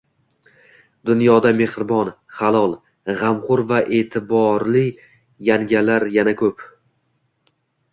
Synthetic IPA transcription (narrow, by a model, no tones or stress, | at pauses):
d̪ʊnjɒd̪ame̞χɾɪbɒn | χalˠɒlˠ | ʁamqʊɾvaʔe̞ːt̪ʰɪbɒɾlɪ | jaŋɡʲalaɾjanakʰɵp